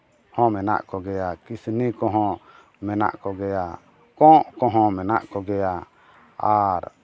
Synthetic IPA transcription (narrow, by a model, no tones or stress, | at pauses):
hɔ̃mɛna̰ʔkɔɡɛjakisnikɔɦɔ̃ | mɛna̰ʔkɔɡɛja | kɔ̃ʔkɔɦɔ̃mɛna̰ʔkɔɡɛja | aɾ